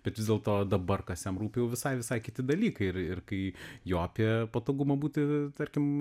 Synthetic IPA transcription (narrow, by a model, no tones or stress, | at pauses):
b̥ʲɛt̪ʋʲɪzd̪ʲeːlˠt̪oːd̪ɐbɐrkɐsʲjʲɛmɾuːpʲɪjɛʊʋʲɪsɐɪʋʲɪsɐɪkʲɪt̪ʲɪd̪ɐlʲiːkɐɪɪrɪrkɐɪjoːɐpʲiɛpɐt̪oːɡʊmɐbuːt̪ʲɪt̪ɐɾʲkʲɪm